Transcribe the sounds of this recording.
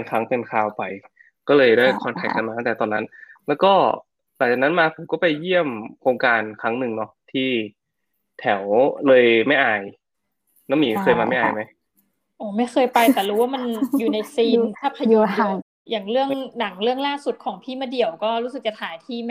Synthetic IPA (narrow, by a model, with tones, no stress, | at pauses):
nkʰa˦˥ŋpe˧nkʰaː˧wpa˧j | kɔː˥˩lɤː˧jdaː˥˩jkʰɔː˧nkʰa˨˩k̚kːa˧nmaː˧t̪a˥˩t̪ːt̪ɔː˧nːa˦˥nlɛː˦˥wkɔː˥˩ | laː˨˩k̚t͡ɕaː˨˩na˦˥nmaː˧pʰo˨˩˦mkɔː˥˩pa˧jːi˥˩əmkʰoː˧ŋkaː˧nkʰa˦˥ŋnɯ˨˩ŋnɔ˦˥t̪ʰiː˥˩ | t̪ʰɛ˨˩˦wlɤː˧jma˥˩jʔaː˧˩j | na˦˥miː˨˦kʰɤː˧jmaː˧ma˥˩jʔaː˨˩jma˦˥j | ʔoː˨˩ma˥˩jxʰɤː˧jpa˧jt̪ɛː˨˩ɾuː˦waː˥˩ma˧njuː˨˩na˧jsiː˧nt̪ʰaː˥˩pʰa˧u˧˩ | jaː˨˩ŋɾɯ˥˩əŋna˩˦ŋɾɯ˥˩əŋlaː˥˩su˨˩t̪̚kʰɔː˩˦ŋpʰiː˥˩maː˧˥˩di˨˩əwkɔː˥˩ɾuː˦˥sɯ˨˩t͡ɕa˨˩t̪ʰaː˨˩˦jt̪ʰiː˥˩m˥